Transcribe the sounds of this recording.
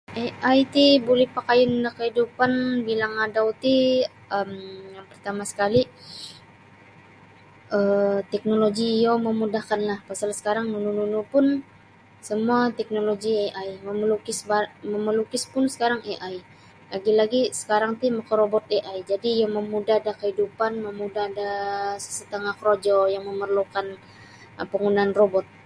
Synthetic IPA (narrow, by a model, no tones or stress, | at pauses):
ʔeʔajt̪ibolɛhpakajʊndahkəɦidupanbilaŋadawt̪i | əmjaŋpərt̪amasə̥kali | ət̪ɛk̚noloɡijoməmudahkanlahpasalsə̥kaɾaŋnunununupʊn | səmuat̪ɛk̚noloɡieʔajməməlukɪsbaməməlukɪspʊnsə̥kaɾaŋeʔaj | laɡilaɡisə̥kaɾaŋt̪iməkəɾobɔt̪̚eʔajd͡ʒadijaməmudahadahkəɦidupanməmudahdasət̪əŋahkɾod͡ʒɔjaŋməmərlukan | pəŋunanrobɔt̪̚